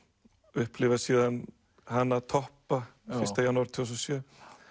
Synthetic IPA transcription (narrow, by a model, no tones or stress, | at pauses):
ʏhplɪvasiːðan | hanːat̪ʰɔhpafɪst̪ajanːuaɾt̪ʰis̬ɔsjœː